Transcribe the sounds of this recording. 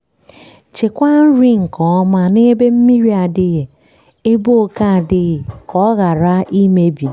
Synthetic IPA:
t͡ʃɪ˨kʷa˦n̩˦ɾi˦ŋ̩˨kɔ˨˦ma˦ne˦be˦m̩˦mi˦ɾi˦a˨dɪ˦ɣe˨ | e˦bo˦o˦ka˦a˨dɪ˦ɣɪ˨kɔ˦ɣa˨ɾa˦ʔi˦me˦bi˨˦

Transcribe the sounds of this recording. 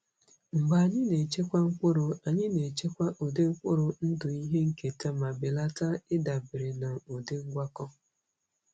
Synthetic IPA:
ŋ͡m̩˨ɡ͡ba˨a˨ɲɪ˦ne˨t͡ʃe˦kʷa˦ŋ̩˦kʷʊ˦ɾʊ˨a˨ɲɪ˦ne˨t͡ʃe˦kʷa˦ʔo˨de˦ŋ̩˦kʷʊ˦ɾʊ˨n̩˦dʊ˨i˦ɦe˦ŋ̩˨ke˨te˦ma˨bɪ˨la˦ta˦ɪ˦da˨bɪ˨ɾɪ˨na˨o˨de˦ŋ̩˦ɡʷa˦kɔ˦

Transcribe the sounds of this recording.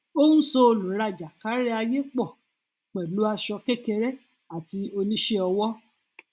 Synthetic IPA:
o˦hũ˦so˧o˧lũ˨˦ɾa˧˨d͡ʒa˨ka˨˦ɾɛ˦a˧je˦k͡pɔ˦˨ | k͡pɛ˨lu˨˦a˧ʃɔ˧kɛ˦kɛ˧ɾɛ˦ | a˨ti˧o˧nĩ˦ʃe˦ɔ˧wɔ˦

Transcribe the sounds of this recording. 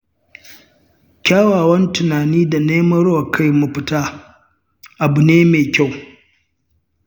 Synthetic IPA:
kʲaː˦waː˨wɐ˦ntʊ˨naː˨niː˦da˨neː˦mɐ˦ɾwa˨kʰa˦jmu˨ɸɪ˦taː˦ | ʔa˨bʊ˨neː˦meː˨kʲa˦˨w

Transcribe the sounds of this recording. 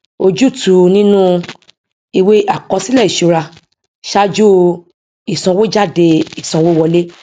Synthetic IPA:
o˧d͡ʒu˦˨tu˧˨nĩ˦nũ˦ | i˧we˦a˦˨kɔ˧si˦lɛ˦˨i˨ʃo˧ɾa˧ | ʃa˦d͡ʒu˦ | i˦˨sɔ̃˧wo˦d͡ʒa˦˨de˧i˦˨sɔ̃˨˧wo˦wɔ˧le˦

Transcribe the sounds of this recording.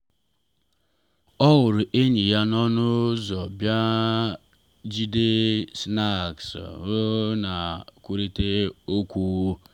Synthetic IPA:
ɔ˦wʊ˨ɾʊ˨ʔe˦ɲi˨ja˦nɔ˦nʊ˦zɔ˨bja˦ | d͡ʒi˦de˦sna˦˨ksɾʊ˦na˨kʷu˦ɾi˦te˦o˦kʷu˦u˦

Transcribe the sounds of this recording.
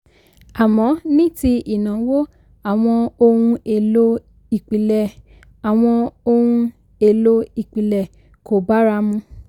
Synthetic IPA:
a˨mɔ̃˨˦nĩ˦ti˧i˨nã˨wo˦ | a˨w̃ɔ̃˧o˧hũ˧e˨lo˦ | i˨k͡pi˨lɛ˨ | a˨w̃ɔ̃˧o˧hũ˧ | e˦˨lo˦i˨k͡pi˨lɛ˨ | ko˨ba˨˦ɾa˧˦mũ˧

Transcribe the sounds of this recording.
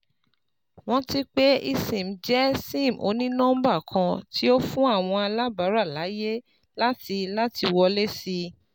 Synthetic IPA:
w̃ɔ̃˦ti˦k͡pe˦i˧sĩ˨m̩˨˦d͡ʒɛ˦sĩ˦˨m̩˨ʔo̰˧nĩ˦nãː˦m̩˦ba˦˨kʰã˧ti˦o˦fũ˦a˦˨w̃ɔ̃˧a˧la˦ba˨˦ɾa˦˨la˨˦je˦ | la˦ti˧la˦ti˧wɔ˧le˦si˧

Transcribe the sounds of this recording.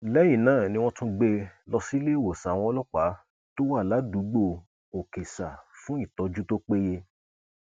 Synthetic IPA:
lɛ˦j̃ĩ˦˨nãː˦˨nĩ˧w̃ɔ̃˦tũ˧ɡ͡be˧lɔ˧si˦le˦˨wo˨sa˨˦w̃ɔ̃˧ɔ˧˦lɔ˦k͡pa˨˦ | to˦wa˦˨la˨˦du˨˦ɡ͡bo˦˧ | o˨ke˨sa˨fũ˦i˦˨tɔ˧d͡ʒu˦to˦k͡pe˦je˧

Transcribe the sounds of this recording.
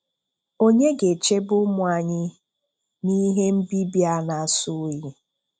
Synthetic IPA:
o˦ɲe˦ɡe˨t͡ʃe˦bʊ˦mʊ˦˨˦a˨ɲɪ˦ | ni˦ɦe˦m̩˦bi˦bi˦a˦na˨sʊ˦ji˦

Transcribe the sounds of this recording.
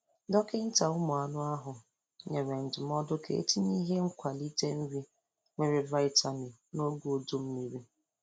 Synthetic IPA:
dɔ˦kɪ˦n̩˦ta˨ʊ˦mʊ˨a˨nʊ˦a˦ɦʊ˨ | ɲe˨ɾe˨n̩˨dɪ˨m˦ɔ˦dʊ˦kḛ˨ḛ˦ti˦ɲi˦ɦe˦ŋ̩˦kʷa˨li˦te˦m̩˦ɾi˦ | ŋʷe˨ɾɪ˨va˦ɪ˦ta˨ni˨no˦ɡu˦o˨do˦m̩˦mi˦ɾi˦

